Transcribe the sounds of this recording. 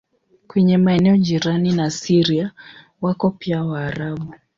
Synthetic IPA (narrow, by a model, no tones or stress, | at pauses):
kwɛɲɛmaɛnɛɔd͡ʒiɾaninasiɾia | wakɔpiawaːɾaɓu